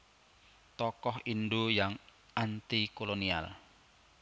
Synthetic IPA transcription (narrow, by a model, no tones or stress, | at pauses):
t̪ɔkɔhinɖojaŋ | ant̪ikolonia̰l